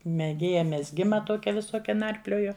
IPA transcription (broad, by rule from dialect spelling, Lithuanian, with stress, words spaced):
mʲɛˈɡʲeːjɛ mʲɛzʲˈɡʲɪmɐ ˈtoːkʲɛ ʋʲɪˈsoːkʲɛ ˈnɐrʲpʲlʲoːjʊ